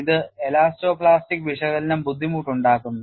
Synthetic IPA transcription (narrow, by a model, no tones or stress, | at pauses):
iðɨelaːsto̞ːpɭaːstikːʋiʂɐɣɐlinɐmbud̪ʱːimuːʈːuɳɖaːkːunː